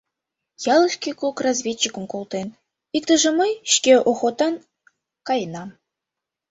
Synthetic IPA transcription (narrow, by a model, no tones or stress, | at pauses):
jɑlˠɤʃkʲikokrɑzʲvʲet͡ɕːikə̆mkolˠt̪en | ikt̪əʒə̆mɤjʃkʲeʔoxot̪ɑn | kɑjnɑm